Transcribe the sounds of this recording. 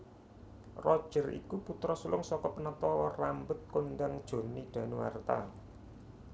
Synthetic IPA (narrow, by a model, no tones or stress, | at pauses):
rɔd̥ʒ̥ə̤rḭkuput̪ɾɔsulʊŋsɔkɔpənət̪ɔɔrambʊt̪̚kond̪aŋd̥ʒ̥o̤niɖ̥ä̤nuwa̰rt̪a̰